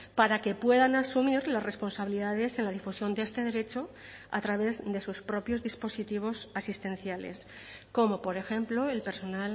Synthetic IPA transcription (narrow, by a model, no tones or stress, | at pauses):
paɾake̞pwe̞ðanasumiɾlasre̞spo̞nsaβiliðaðe̞se̞nlaðifusjo̞nd̪eest̪e̞ðe̞ɾe̞t͡ʃo̞ | a̰t̪ɾaβ̞e̞zðe̞suspɾo̞pjo̞zðispo̞sit̪iβ̞o̞sasist̪ẽ̞n̟θjale̞̰s | ko̞mo̞po̞ɾe̞xe̞mplo̞e̞lpe̞ɾso̞nal